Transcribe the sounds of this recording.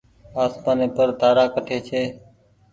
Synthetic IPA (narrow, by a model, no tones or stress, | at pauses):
aːsmaːneːpəɾd̪aːɾaːkəʈʰeːt͡ʃʰeː